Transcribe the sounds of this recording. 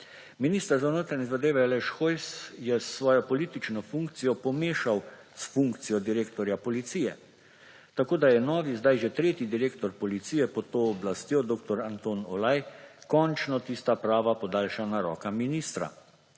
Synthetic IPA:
miniːst̪əɾzawnoːt̪ɾaɲɛzad̪eːʋɛalɛʃxojsjɛsːʋɔːjɔpɔliːt̪it͡ʃnɔfuŋkt̪sijɔpɔmeːʃaw | sfuŋkt̪sijɔd̪iɾeːkt̪ɔɾjapɔlit̪siːjɛ | t̪akoːd̪ajɛnɔːʋizd̪ajʒɛt̪ɾeːt̪id̪iɾeːkt̪ɔɾpɔlit̪siːjɛpɔt̪ːoːblast̪jod̪oːkt̪ɔɾant̪oːnɔ̰lajkɔnt͡ʃnɔt̪iːst̪apɾaːʋapɔd̪aːlʃanaɾɔːkaminiːst̪ɾa̰

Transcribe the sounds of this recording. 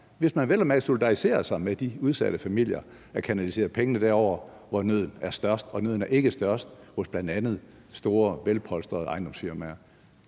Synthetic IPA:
ʋe̝smænʋelɒmæso̝lid̥ɑ̈ʁise̝̰ːɐsɑ̈ɪmed̥iuð̞ˠsæɾ̥əfæmil̰jɐ | ækʰænælise̝ːɐð̩ˠpʰeŋənəd̥æɐ̰ɒʊ̰ɐ | ʋɒnøð̞̰ˠn̩æɐsd̥ɶɐsd̥ɒ̽nøð̰ˠn̩æɐe̝ɡ̥əsd̥ɶɐsd̥hɔ̽sb̥lænd̥ænð̞̩ˠ | sd̥o̝ːɐʋelpʰɒ̽lsd̥ɐð̩ˠɑ̈ɪnd̥ɒ̽msfiɐmæɐ

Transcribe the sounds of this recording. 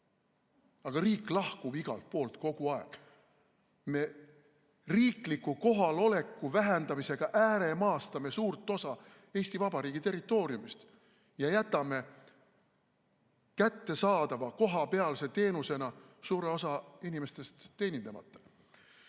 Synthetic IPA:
ɑɡ̥ɑriːkːˑlɑhkub̥iɡ̥ɑ̰lt̪̚po̞ːlt̪ko̞ɡ̥uɑeɡ̥ | me̞ | riːklikːˑuko̞ɦɑlo̞le̞kːˑuvæɦɛnd̪̥ɑmise̞ɡ̥ɑʔæːɾemɑːst̪ɑme̞suːrt̪ːˑo̞sɑ | e̞ːsʲt̪ivɑb̥ɑɾiːɡ̥it̪e̞rit̪ːˑo̞ːɾjumist̪ | jɑjæt̪ːˑɑme̞ | kæt̪ːe̞sɑːd̪̥ɑvɑko̞ɦɑpe̞ɑlse̞t̪e̞ːnuse̞nɑ | suːɾe̞o̞sɑinime̞st̪e̞st̪ːe̞ːnʲind̪emɑ̰t̪ːˑɑ̥

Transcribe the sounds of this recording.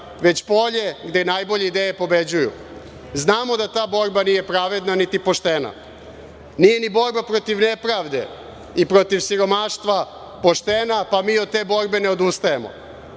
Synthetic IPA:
ʋe̞t͡ɕpo̞ʎe̞ɡd̪enaːjbo̞ʎeid̪ejepo̞be̞d͡ʑujṵ | znaːmo̞d̪at̪aːbo̞ɾbanije̞pɾaʋe̞d̪nanit̪ipo̞ʃt̪ena̰ | nije̞nibo̞ɾbapɾo̞t̪iʋnepɾaːʋd̪e̞̰ | ipɾo̞t̪iʋsiɾo̞maːʃt̪ʋa | po̞ʃt̪e̞napamiːo̞d̪̚t̪e̞ːbo̞ɾbene̞od̪ust̪ajemo̰

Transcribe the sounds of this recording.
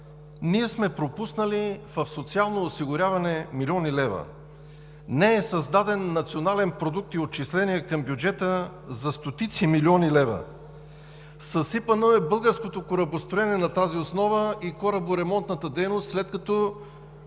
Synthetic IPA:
niɛsmɛpɾopusnəlivɐfsot̪sialˠnoːsiɡʊɾʲavɐnɛmilʲiɔnilɛvə̰ | nɛɛsɐzd̪ad̪ɛnːɐt̪sionalɛnpɾod̪uk̚t̪iot̪̚t͡ʃislɛniɛkɐmbjʊd͡ʒɛt̪əzɐst̪ot̪it̪similiɔnilɛvə̰ | sɐsipənoɛbɤlˠɡəɾskot̪okoɾɐbost̪ɾoɛniɛnɐt̪aziosnɔvəikɔɾɐboɾɛmɔnt̪nət̪əd̪ɛjnost̪slɛt̪̚kɐt̪ɔ

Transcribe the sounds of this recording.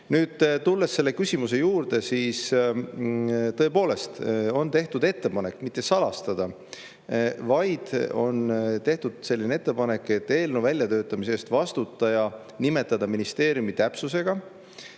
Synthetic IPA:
nyːd̪̥t̪ulːe̞sːe̞lːe̞kysʲimus̬e̞juːɾd̪̥e̞siːs | t̪ɤ̞e̞po̞ːle̞st̪o̞nt̪e̞ht̪ud̪e̞t̪ːe̞pɑne̞kːmit̪ːˑe̞sɑlɑst̪ɑd̪̥ɑ | vɑjd̪̥o̞nt̪eht̪ud̪̥se̞lʲːinee̞t̪ːe̞pɑne̞kːˑe̞t̪ːe̞ːlnovælʲjɑt̪ø̞ːt̪ːˑɑmis̬eːst̪vɑst̪ut̪ːˑɑjɑ | nime̞t̪ːˑɑd̪̥ɑminist̪e̞ːɾjumit̪æpsuse̞ɡ̥ɑ

